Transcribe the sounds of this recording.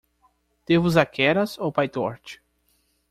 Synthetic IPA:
d̪̥evʊzakʰɛɾɐsowpajt̪ɔɾt͡ʃɪ̥

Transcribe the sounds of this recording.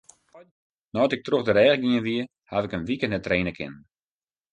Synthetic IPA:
nɔtɪk̚troxdəɾɛːɣəɡɪənʋiə | haʋɪkənʋikənətreːnəkʰɪ̰n

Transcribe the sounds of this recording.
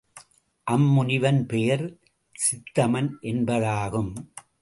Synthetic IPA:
ʔɐmːʊnɪʋɐnpɛjɐɾ | sɪt̪ːɐmɐnʔɛnbɐðaːɣɯm

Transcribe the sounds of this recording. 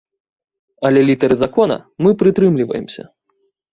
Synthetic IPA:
ɐlʲɛlʲit̪ɐɾɨzakɔnɐ̰mɨpɾɨt̪ɾɨmlʲivɐ̰jɛ̰msʲɐ̰

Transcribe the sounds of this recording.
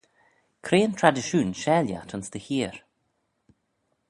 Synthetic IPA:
kʰɾeːnt̪ʰɾad̪ɪʃuːnʃɛːlja̰t̪ʰənsd̪əhiːɹ

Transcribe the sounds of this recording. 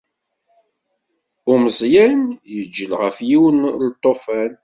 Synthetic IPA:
ʊməzˤjænjəd͡ʒːəlʁəfjiwənlt̪ˤːofæn

